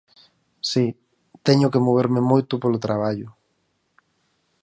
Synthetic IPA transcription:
si | t̪ɛɲʊkemoβ̞eɾmemojt̪ʊpolot̪ɾaβ̞aʎʊ

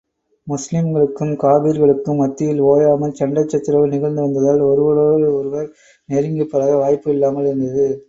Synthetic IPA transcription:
mʊslɪmɡɐɭɯkːɯmkaːbiɾɣɐɭɯkːɯmːɐt̪ːɪjɪloːjaːmɐlt͡ʃɐɳɖɐt͡ʃːɐt̪ːɪɾɐʋɯnɪɣɐɻnd̪ɯʋɐnd̪ɐðaːlɔɾɯʋɐɾoːɻɯɔɾɯʋɐɾ | nɛɾɪŋɡɯpːɐɾaːɣɐʋaːjpːɯɪlːaːmɐɭɪɾɯnd̪ɐðɯ

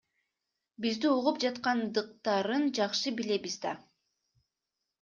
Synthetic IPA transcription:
bizd̪iuʁup̚d͡ʒɑt̪qɑnd̪ɯq̚t̪ɑɾɯnd͡ʒɑqʃɯbile̞bizd̪ɑ

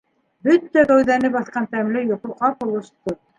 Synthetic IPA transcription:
bɵt̪ːæɡæwðænɘpbɑθqɑnt̪æmlɘjŏqŭqɑpŏlˠɤ̆ʃt̪ɤ

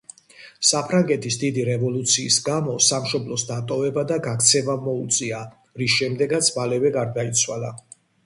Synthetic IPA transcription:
sapʰɾaŋɡɛt̪ʰisd̪id̪iɾɛvɔlˠut̪sʰiːsɡamɔsamʃɔblɔsd̪at̪ʼɔvɛbad̪aɡakʰt̪sʰɛvamɔut̪sʼia | ɾisʃɛmd̪ɛɡat̪sʰmalɛvɛɡaɾd̪ait̪sʰwalˠa

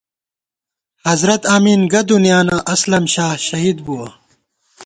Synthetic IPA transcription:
hɐzɾɐt̪aːmiːnɡɐd̪unjaːnaʔɐslɐmɕaːhɕɐɦiːd̪̚buwɐ

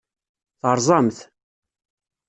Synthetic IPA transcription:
θəɾˤzˤɑmθ

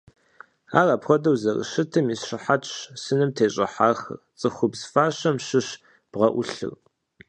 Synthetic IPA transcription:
a̰ːraːpxʷɔdɐwzɐrɨ̰ʃɨtʰɨmisʃɪħatʼɕsɨnɨmtʰeːɕʼɐħaːxɐ̰rt͡sʼɨxʷʊbzfaːɕɐmʃɨɕ | b̥ʁɐʔʷʊɬɨ̰r

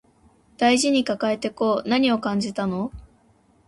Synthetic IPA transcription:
d̪̥aiʑiɲ̟ikakae̞t̪e̞ko̞ːnaɲ̟io̞kãɲ̟d͡ʑit̪ano̞

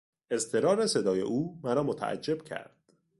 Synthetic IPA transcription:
e̞st̪ʰe̞ɾɒːɾese̞d̪ɒːje̞̰ʔuːmæɾɒːmot̪ʰæ̰ʔæ̰d͡ʒːe̞b̥̚cʰæ̰ɾd̪̥

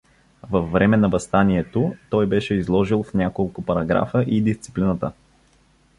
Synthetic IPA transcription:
vɐfːɾɛmɛnɐvɐst̪aniɛt̪ot̪ɔjbɛʃɛizlˠɔʒilˠfnʲakolˠkʊpɐɾɐɡɾa̰fəʔid̪ist̪si̥plinət̪ə

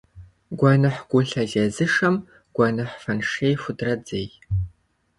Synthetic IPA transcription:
ɡʷɑnɨħɡ̥ʷʊɬɐɮɐzɨʂɐm | ɡ̥ʷɑnɨħfɐnʂeːjfʷʊdrɐd͡zej

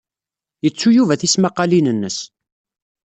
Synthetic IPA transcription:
jət͡sːujuvæθismaqːɑlinənːəs

